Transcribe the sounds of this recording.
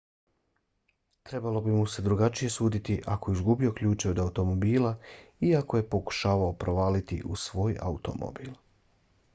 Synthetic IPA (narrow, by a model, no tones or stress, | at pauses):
t̪ɾe̞balo̞bimuse̞d̪ɾuɡat͡ʃije̞suːd̪it̪iʔakoizɡubio̞klʎuːt͡ʃeo̞d̪aut̪o̞mo̞biːlˠaiako̞je̞po̞ku̥ʃaːʋaopɾo̞ʋaːlit̪ḭʔṵsʋo̞ːja̰ut̪o̞̰mo̰biːlˠ